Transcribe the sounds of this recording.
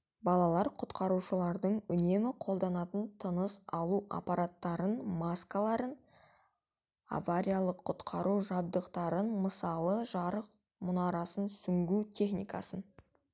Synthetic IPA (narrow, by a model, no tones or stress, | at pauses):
bɑlˠɑlˠɑɾqʰʊt̪qʰɑɾuʃəlˠɑɾd̪əɴʏne̞mɪqʰo̞lˠd̪ɑnɑt̪ənt̪ʰənəsɑlˠuʔa̰paɾat̪ːɑɾənmaskalˠɑɾən | a̰vaɾʲijalˠəqʰːʊt̪qʰɑɾuʒɑb̚d̪əqt̪ɑɾənməsɑlˠəʒɑɾəq̚ | mʊnɑɾɑsənsʏŋɡʲut̪ʲʰe̞χnijkɑ̰sən